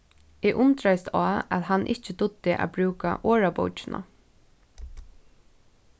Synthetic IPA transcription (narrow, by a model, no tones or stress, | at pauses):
ɛːʔʊnt̪ɾajst̪aːæ̰ðɦanːʔɪ̰ht͡ʃɪd̪ʊt̪ːɪʔæ̰bɾʉːka̰ʔoːɹapo̰wt͡ʃɪnʔa̰